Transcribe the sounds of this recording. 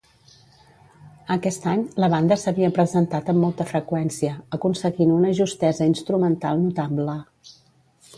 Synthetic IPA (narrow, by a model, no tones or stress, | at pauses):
əkɛst̪aɲləβand̪əsəβiəpɾəzənt̪at̪əmːɔlˠt̪əfɾəkwɛnsiəːkunsəɣinunəʒust̪ɛzəinst̪ɾumənt̪alˠnut̪ablə